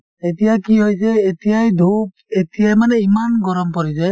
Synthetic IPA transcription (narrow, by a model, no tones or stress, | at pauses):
etijakiɦojs̬ɛːtijajdʱup | etijajmanɛimanɡɔɹɔmpɔɹis̬ɛ